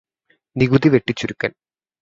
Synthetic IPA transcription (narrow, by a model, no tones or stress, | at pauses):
niɡud̪iʋe̞ʈːit͡ɕːuɾukːɐn